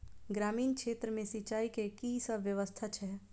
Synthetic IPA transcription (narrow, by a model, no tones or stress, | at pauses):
ɡɾaːmiːnkʃeːt̪ɾəmẽsit͡ʃaːikekisəbʋjəʋəst̪ʰat͡ʃʰɛː